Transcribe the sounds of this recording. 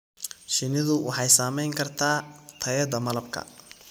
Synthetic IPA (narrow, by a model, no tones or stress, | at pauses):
ʃɪnɪðʊwʔɑħɑjsaːmɛjŋkʰɐrt̪ʰaːt̪ʰɐjɐd̪ɐmɐlɐb̚kʰɐ̰